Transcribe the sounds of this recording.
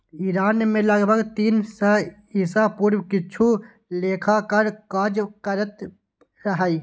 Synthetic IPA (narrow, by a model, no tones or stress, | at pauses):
iːɾaːnmẽləɡbʱəɡt̪iːnsə | iːsapuːɾwkɪt͡ʃʰu | leːkʰakəɾkad͡ʒkəɾət̪ | ɾəɦəi